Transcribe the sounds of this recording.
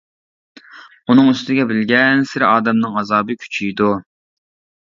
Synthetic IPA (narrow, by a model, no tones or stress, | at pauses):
unɨŋyst̪ɪɡʲɛbɪlɡʲɛnsɪɾɑːd̪ɛmnɨŋɑzɑːbɨkʲʰy̥t͡ʃʰijd̪u